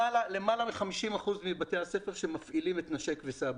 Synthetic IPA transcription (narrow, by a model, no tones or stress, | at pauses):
alale̞malamiχamiʃimaχuzmibate̞hase̞feʁʃemafʔilimet̪naʃekvesab